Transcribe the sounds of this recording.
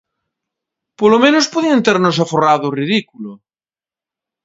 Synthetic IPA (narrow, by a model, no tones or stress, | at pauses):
polomẽnospoðient̪eɾnos̬aforaðʊriðikulo